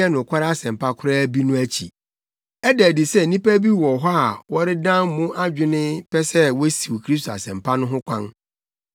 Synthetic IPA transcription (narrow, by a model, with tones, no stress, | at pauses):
ɛ˦nʊ̃˨kʷʰa˦ɾɪ˦a˦sɛ̃˨m˨pʰa˦kʰʊ˦ɾaː˦bi˦nʊ̃˦æ˦t͡ɕʰi˨ | ɛ˦dɛ˨di˨sɛ˦˨nĩ˦pæ˦bi˦wɔ˨ɦɔ˦a˨wɔ˦ɾɪ˦dã˦mmʊ̃˦ʔa˦d͡ʑᶣɪ˦nɪ̃˦pʰɛ˦sɛ˦wɔ˦si˨wkʰɾi˦stʰo˨a̰˨sɛ̃˨mpʰa˦nʊ̃˦ɦʊ̃˦kʷʰã˦n